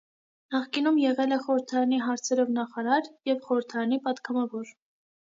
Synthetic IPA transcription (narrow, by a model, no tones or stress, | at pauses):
nɑχkinumjɛʁɛlɛχɔɾəɾt̪ʰɑɾɑniɦɑɾt͡sʰɛɾɔvnɑχɑɾɑɾjɛvχɔɾəɾt̪ʰɑɾɑnipɑt̪ɡɑmɑvɔɾ